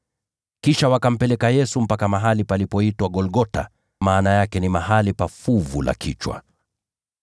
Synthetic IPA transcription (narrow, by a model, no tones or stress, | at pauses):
kiʃawakam̩pɛlɛkajɛsum̩pakamaɦalipalipɔitwaɡɔlɡɔta̰ | maːnajakɛnimahalipafuvulʔa̰kʰit͡ʃwa̰